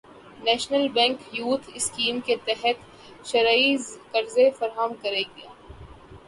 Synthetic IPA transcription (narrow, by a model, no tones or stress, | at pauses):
nɛːʃnəlbɛ̃ːŋkjuːt̪ʰɪskiːmket̪ɛɦət̪ | ʃɐɾaːizkɐɾzefɐɾɦəmkɐɾeɡɐjaː